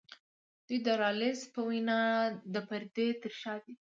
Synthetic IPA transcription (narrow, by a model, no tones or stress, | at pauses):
d̪̥ujd̪əɾɑlɪspəwinɑd̪əpaɾd̪et̪əɾʃɑd̪i